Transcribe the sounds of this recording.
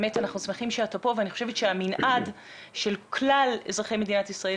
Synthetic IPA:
metanaχnusmeχimʃeatapo̞veaniχoʃe̞vetʃeaminʔad | ʃe̞lkʰlalezʁaχe̞jme̞d̪inatisʁae

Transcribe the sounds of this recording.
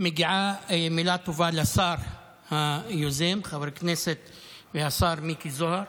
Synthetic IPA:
mɪɡʕamilaːt̪uvaːlasɑːɾˤ | hajuzeːmxabɾkneːset̪ | wiasˤɑːɾˤmiːkizʊhɑɾˤ

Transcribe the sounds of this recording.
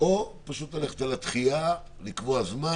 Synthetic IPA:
opaʃut̪ale̞χet̪alat̪χia | likvoazma

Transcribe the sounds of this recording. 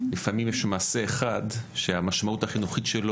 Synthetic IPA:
lifamimjeʃmaːse̞ːχadʃeamaʃmautaχinuχitʃelo

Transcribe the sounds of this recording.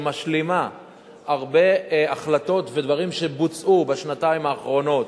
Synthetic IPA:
maʃlima | aʁbe̞aχlato̞tved̪vaʁimʃe̞but͡sʔubaʃnataimaːχʁo̞no̞t̪

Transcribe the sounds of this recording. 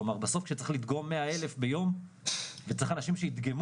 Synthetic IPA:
omaʁbaso̞fkʃet͡sae̥χlid̪ɡo̞mːeae̞le̞fbejo̞m | vet͡saiχanaʃimʃeit̪ɡem

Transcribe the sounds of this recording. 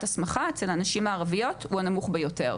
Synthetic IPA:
tasmaχaet͡selanaʃimaːʁavijo̞tuhanamuχbejo̞te̞̰ʁ

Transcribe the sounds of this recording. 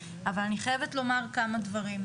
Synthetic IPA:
avalaniχajevetlo̞maʁkamad̪vaʁim

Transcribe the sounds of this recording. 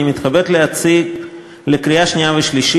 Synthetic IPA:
imit̪χabet̪leat͡siɡ | lekɾiaʃnijaveʃliʃ

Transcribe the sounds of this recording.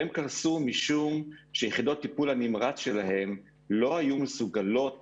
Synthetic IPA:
emkaʁsumiʃumʃejeχid̪o̞t̪ːipulanimʁat͡sʃe̞laɦe̞m | lo̞hajumesuɡalo̞t

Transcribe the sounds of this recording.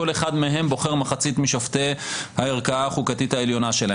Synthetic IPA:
oleχad̪meɦe̞mbo̞χeʁmaχat͡sit̪miʃaft̪ehaeʁkaaχukatithaeljo̞naʃela

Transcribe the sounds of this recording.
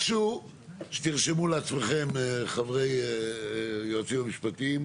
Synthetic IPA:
ʃu | ʃe̥t̪iʁʃemuleat͡smeχe̞mχavʁe̞j | joat͡simamiʃpatim

